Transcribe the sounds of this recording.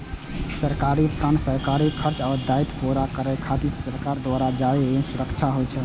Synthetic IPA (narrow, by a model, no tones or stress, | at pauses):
səɾkaɾipɾansəɾkaɾikʰəɾt͡ʃaːɾd̪ait̪puɾakəɾɛkʰat̪isəɾkaɾd̪waɾad͡ʒaɾĩsuɾəkt͡ʃʰaɦojt͡ʃʰɛ